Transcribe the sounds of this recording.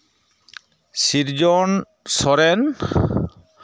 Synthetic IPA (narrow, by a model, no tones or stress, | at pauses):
siɾd͡ʒɔn | sɔɾɛn